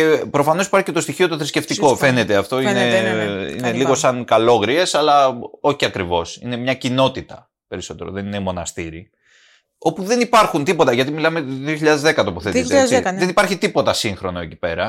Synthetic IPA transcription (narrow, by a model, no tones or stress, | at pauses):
ce̞pɾo̞fɐnosi̥pɐɾçi̥cet̪o̞st̪içio̞t̪o̞θɾisce̞ft̪iko̞fe̞ne̞t̪e̞ɐft̪o̞ineḭneliɣo̞sɐŋkɐlo̞ɣɾie̞sɐlɐo̞çiɐkɾivo̞sḭne̞mɲɐcino̞t̪it̪ɐ | pe̞ɾiso̞t̪e̞ɾo̰ðe̞ninemo̞nɐst̪iɾi | o̞puðe̞nipɐɾxunt̪ipo̞t̪ɐʝɐt̪imilɐmet̪oðioçiʎɐðe̞zðe̞kɐt̪opoθett̪zðenipɐɾçit̪ipo̞t̪ɐsiŋxɾo̞no̞eci̥pe̞ɾɐ